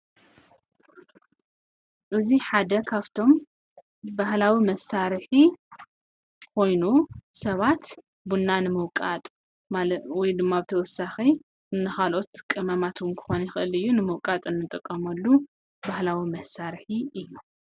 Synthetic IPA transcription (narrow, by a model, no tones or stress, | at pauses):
ʔɨziħad̪ɐkʰaβt̪ʰo̞m | bahlawimɐsaɾħi | kʰo̞jnusɐβat̪ | bunːanɨmɨwkʼat̪ʼ | awɔjd̪ɨmːabɨt̪ʰɐwɔsaxi | ɨnːɨxalo̞t̪kʼɨmɐmat̪ʰwʊnkʰɨ̥xo̞njɪxɨʔɨlɨjːunɨmɨwkʼat̪ʼɨnːɨt̪ʼɨkʼːɐmɐlːu | bahlawimɐsːaɾħiɨjːu